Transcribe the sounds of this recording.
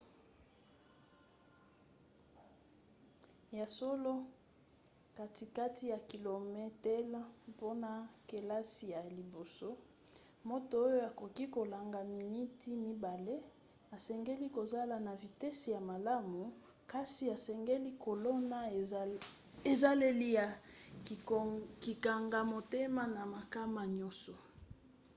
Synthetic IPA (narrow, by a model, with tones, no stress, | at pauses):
ja˨so˦lo˦ | ka˨ti˨ka˦ti˦ja˨ki˨lo˨mɛ˦tɛ˦lpo˦na˨ke˨la˦si˨ja˨li˨bo˨so˦ | mo˦to˨o˦jo˦a˨ko˨ki˦ko˨la˨ŋɡa˨mi˨ni˦ti˦mi˦ba˨le˦ | a˨sɛ˨ŋɡe˦li˦ko˨za˦la˨na˨vi˨te˦si˨ja˨ma˨la˦mu˨ | ka˦si˨a˨sɛ˨ŋɡe˦li˦ko˨lo˦na˦ | e˨za˦le˦li˦ja˨ | ki˨ka˨ŋɡa˨mo˨te˦ma˦na˨ma˨ka˦ma˨ɲɔ˦sɔ˨